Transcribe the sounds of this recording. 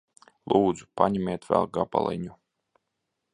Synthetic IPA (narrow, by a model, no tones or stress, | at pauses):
lˠuːd̪zupanʲimʲeːt̪vʲæ̰lˠɡapa̰lˠa̰jnʲu